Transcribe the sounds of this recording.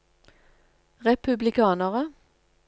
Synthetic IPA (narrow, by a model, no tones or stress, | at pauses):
ʁɛpʉblɪkʰɑːnəʁə